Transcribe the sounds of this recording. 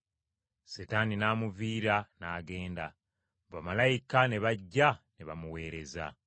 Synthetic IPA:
setaninaːmuviːɾanaːɡe̞ːnda | βamalajikane̞βaɟːaneβamuwe̞ːɾe̞za̰

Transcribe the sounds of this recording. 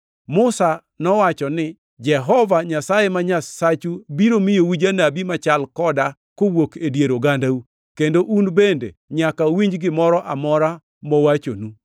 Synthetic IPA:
mʊsa | nɔwat͡ʃɔnɪ | d͡ʒɛɦɔvaɲasajemaɲasat͡ʃubiɾomɪjowid͡ʒanabimat͡ʃalkɔda | kowokedjeɾoɡandau | kendoʔunbendḛɲakawiɲd͡ʒɡɪmɔɾɔʔamɔɾa | mowat͡ʃonu

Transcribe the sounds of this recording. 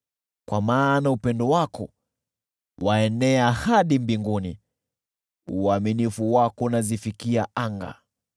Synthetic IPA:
kwamaːnaupɛndɔwakɔ̰ | waɛnɛahaɗimbiŋɡuni | uaminifuwakɔnazifikiaʔaŋɡa̰

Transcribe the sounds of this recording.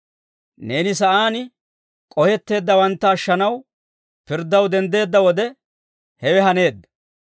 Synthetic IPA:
ne̞ːnɪsɐʔaːn | kʼɔhɛt̪ːe̞ːd̪ːɐwɐnt̪ːɐːʃːɐnɐw | pɪɾd̪ːɐwd̪ɛnd̪e̞ːd̪ːɐwɔd̪ɛ | hɛwɛɦɐne̞ːd̪ːɐ̥

